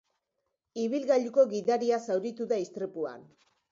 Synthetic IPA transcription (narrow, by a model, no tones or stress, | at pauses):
iβilɣaʎuko̞ɣiðaɾiasawɾit̪uðaist̪ɾepua̰n